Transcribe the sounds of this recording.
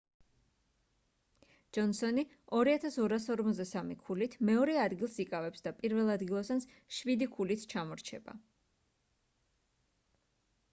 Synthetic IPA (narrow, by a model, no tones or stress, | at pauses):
d͡ʒ̥ɔnsɔni | ɔɾiat̪ʰasɔɾasɔɾmɔt̪zd̪asamikʰulit̪ʰmɛɔɾɛad̪ɡilˠsikʼavɛpsd̪apʼiɾvɛlˠad̪ɡilˠasans | ʃwid̪ikʰulit̪ʰt͡ʃʰamɔɾt͡ʃʰɛba̰